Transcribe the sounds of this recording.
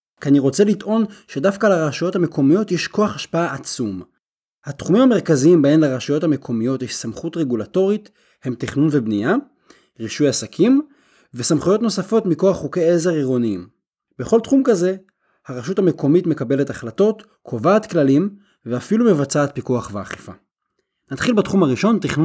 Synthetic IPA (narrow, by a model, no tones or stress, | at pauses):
kaniʁo̞t͡se̞lit̪ʔo̞nʃe̞dafkalaʁaʃajo̞thame̞kʰo̞mijo̞tjeʃko̞aχhaʃpaaat͡sum | hat̪χumimhame̞ʁkaziimbaemleʁaʃajo̞thame̞kʰo̞mijo̞tjeʃsamχutʁe̞ɡulato̞ʁit | he̞mt̪iχnunvebnija | ʁiʃujasakʰim | vesamχujo̞t̪no̞safo̞tmiko̞aχːukeezeʁiʁoniim | beχo̞ltχumkaze̞ | haʁaʃutame̞kʰo̞mitme̞kabe̞letaχlato̞t | kʰo̞vaːt̪klalim | veafilume̞vat͡saːt̪̚pikuaχvea̰χefa̰ | nat̪χilbatχumhaʁiʃo̞ntiχnu